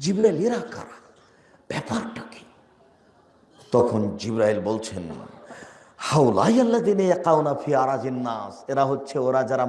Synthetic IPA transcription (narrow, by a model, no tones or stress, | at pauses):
d͡ʑibɾaileɾaka̰ɾa | b̥ɛpaɾʈake̥ | t̪ɔkʰond͡ʑibɾailbolt͡ɕʰen | hawla̰ːjɐlːaðiːnajaqawnafiːaɾaːd͡ʑinːaːseɾaɦotːɕʰeoɾad͡ʑaɾa